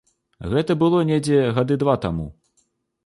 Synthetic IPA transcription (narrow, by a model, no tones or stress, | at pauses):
ɣɛt̪ɐbɨlˠɔnʲed͡zʲɛɣad̪ɨd̪vat̪amṵ